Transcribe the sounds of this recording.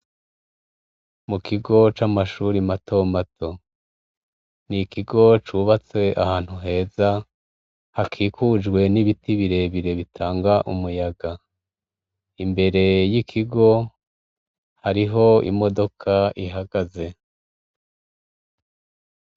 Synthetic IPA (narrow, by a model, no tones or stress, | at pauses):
mukiɡo̞t͡ʃamaʃuɾimatʰo̞matʰo̞ | nikiɡo̞t͡ʃuβat͡se̞ʔa̰haːn̥huɦe̞ːza | hakʰiːkʰud͡ʒɡwe̞niβitiβiɾe̞βiɾe̞βitʰaːŋɡaʔumujaɡa | imbe̞ɾe̞jikʰiɡo̞ | haɾiɦo̞ḭmo̞do̞kʰaʔiɦaɡaze̞